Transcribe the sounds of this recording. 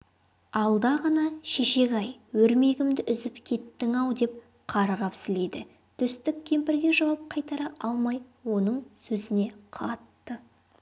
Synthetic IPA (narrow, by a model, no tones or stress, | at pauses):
ɑlˠd̪ɑʁɑnɑʃe̞ʃe̞ɡʲɑjwɵɾme̞ɡʲɪmd̪ɪʔʏzɪpkʲʰe̞t̪ːɪŋɑwd̪e̞p̚ | qʰɑɾʁɑpsɪle̞jd̪ɪ | t̪ʰʏst̪ɪk̚ʲkʲʰːe̞mpɪɾɡʲe̞ʒɑwɑp̚qʰɑjt̪ɑɾɑʔɑlˠmɑjwo̞nəɴsɵzɪne̞qʰɑt̪ːə